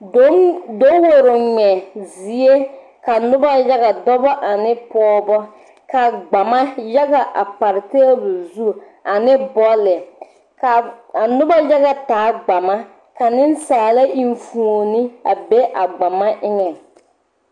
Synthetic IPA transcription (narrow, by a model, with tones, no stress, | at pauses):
do˨˦wo˦ɾo˨ŋ͡mɛ˨zi˨e˦ | ka˨nʊ˦ba˦ja˦ɣa˨dɔ˦bɔ˦ʔa˨nɪ˦pɔː˦bɔ˦ | ka˨ɡ͡ba˨ma˦ja˦ɣa˨ʔa̰˨pa˨ɾɪ˨te˦bʊ˨zu˦ | a˨nɪ˦bɔ˦lɪ˨ | ka˨a˨nʊ˦ba˦ja˦ɣa˨taː˨˦ɡ͡ba˨ma˦ | ka˨nɪ˦n˦saː˨la˦ʔi˦˨ɱ˦fu˨o˨nɪ˦a˨be˦ʔa˨ɡ͡ba˨ma˦ʔɪ˦ŋɛ˨